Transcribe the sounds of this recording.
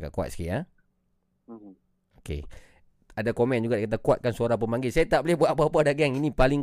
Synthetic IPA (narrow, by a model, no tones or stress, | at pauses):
ka̰ʔkuwa̰t̪si̥kia | okḛ | adakomɛ̃nd͡ʒuɡadakat̪akwat̪̚kansoɾaŋp̬əmaŋɡɪlsajat̪aʔbolɪhbwaʔpaapadaɡɛŋinĩpalɪŋ